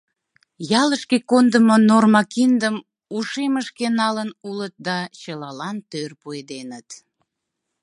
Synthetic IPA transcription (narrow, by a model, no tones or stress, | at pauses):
jɑləʃkekond̪əmonormɑkind̪əm | uʃeməʃkenɑlənulət̪̚d̪ɑt͡ɕəlɑlɑnt̪ørpued̪enət̪